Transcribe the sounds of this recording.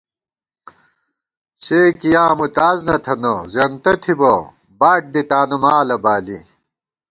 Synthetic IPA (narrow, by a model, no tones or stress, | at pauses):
ɕeːkijãːmut̪aːznɐt̪ʰɐnɐzɐnt̪ɐt̪ʰibɐ | baːʈ̚d̪it̪aːnumaːlɐbaːlḭ